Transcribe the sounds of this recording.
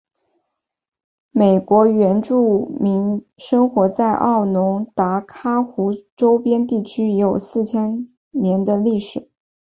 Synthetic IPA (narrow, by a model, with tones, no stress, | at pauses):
me˨˩ɪkwɔ˧˥ɥɛ˧˥nʈ͡ʂu˥˩mi˧˥ŋʂɤ˥ŋxwɔ˧˥t͡sa˥˧ɪʔɑ˥˩ʊnʊ˧˥ŋt̪a˧˥kʰa˥xu˧˥ʈ͡ʂo˥ʊpjɛ˥nt̪i˥˩t͡ɕʰy˥jo˨˩ʊsɹ̩˥˧t͡ɕʰjɛ˥n | njɛ˧˥nd̪ə˧li˥˩ʂɻ̩˨˩˦